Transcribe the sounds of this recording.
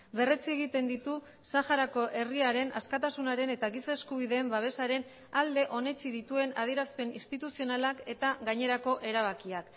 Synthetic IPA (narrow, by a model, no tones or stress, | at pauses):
βe̞re̞t͡sie̞ɣ̞it̪e̞nd̪it̪u | saxaɾako̞ʔe̞riaɾe̞na̰skat̪asunaɾe̞ne̞t̪aɣisaeskuβ̞iðe̞ːmbaβ̞e̞saɾe̞n | ald̪e̞ʔo̞ne̞t͡siðit̪ue̞na̰ð̞ie̞ɾaspe̞ninst̪it̪usio̞nalake̞t̪aɣaɲe̞ɾako̞ʔe̞ɾaβ̞akiak